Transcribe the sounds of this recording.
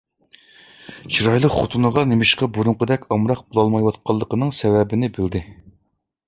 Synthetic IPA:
t͡ʃʰiɾɑjlˠəqχʊt̪ʰunɨʁɑnemɪʃqɑboɾʊŋqʊd̪ɛkʲʰɑmɾɑq̚bolˠɑlˠmɑjwɑt̪̚qʰɑlˠːəqənɨŋsɛwɛbɪnɪbɪld̪ɪ

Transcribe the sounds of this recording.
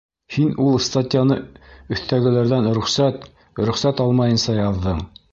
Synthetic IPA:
hinulˠst̪atʲɪjanɤɵ̆θt̪æɡɘ̆læɾðænɾɵ̆χsæt̪ | ɾɵ̆χsæt̪ɑlˠmɑjɤ̆nsɑjɑðːɤɴ

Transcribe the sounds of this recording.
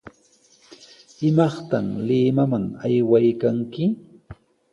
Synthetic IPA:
ɪmɑχt̪amlɪmamaŋajwajkaŋkɪ

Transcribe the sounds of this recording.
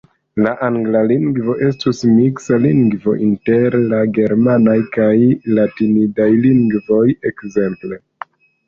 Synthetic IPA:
laʔaŋɡlaliŋɡvo̞ʔe̞stusmiksaliŋɡvo̞̰ʔinte̞ɾlaɡe̞ɾmanajkajlatinidajliŋɡvo̞jekze̞mple̞

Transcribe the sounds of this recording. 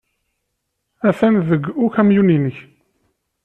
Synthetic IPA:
æfænðəɡʊçæmjuninəç

